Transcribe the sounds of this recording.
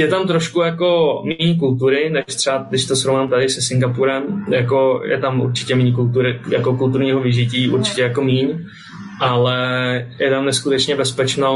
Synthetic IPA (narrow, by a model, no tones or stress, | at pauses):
jɛt̪amt̪ɾoʃkujako̞miɲk̬ult̪uɾɪnɛʃt̪r̥ɛadɪʃt̪o̞shɾovnaːmt̪adɪsɛsɪŋɡapuɾɛmjako̞jɛ̰t̪amʔṵɾt͡ʃɪ̥cɛmiɲk̬ult̪uɾɪjako̞kult̪uɾɲiːɦovɪʒɪciːʔuɾt͡ʃɪ̥cɛjako̞miːɲ | ʔalɛjɛt̪amnɛskut̪ɛt͡ʃɲɛbɛspɛt͡ʃno